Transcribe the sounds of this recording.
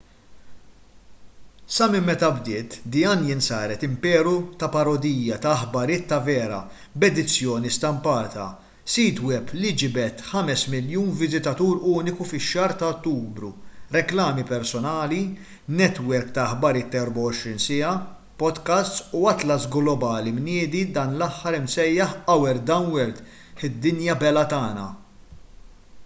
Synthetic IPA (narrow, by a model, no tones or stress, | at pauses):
sɐmɪmːɛt̪ɐbd̪ɪːt̪d̪ɪɐːnjɪnsɐːɾɛt̪ɪmpɛːɾut̪ɐpɐɾɔd̪iːjɐt̪ɐːħbɐɾɪːt̪ːɐvɛːɾɐ̰ | bɛd̪ɪt͡sːjɔːnist̪ɐmpɐːt̪ɐ̰ | siːt̪wɛpːlid͡ʒɪbɛt̪ħɐmɛsmɪljuːnvɪzɪt̪ɐt̪uːɾuːnɪkufɪʃːɐːɾt̪ɐɔt̪ːuːbɾuɾɛklɐːmipɛɾsɔnɐːli | nɛt̪wɛɾkt̪ɐħbɐɾɪːt̪ːɛɾbɐwɔʃɾinsɪɐ | pɔd̪kɐst̪suɐt̪lɐsɡlɔbɐːlimnɪːd̪id̪ɐːnlɐħːɐɾɪmsɛjːɐħɐwɛɾd̪ɐwnwɛɾt̪ | ħɪd̪ːɪnjɐbɛlɐt̪ɐːnɐ̰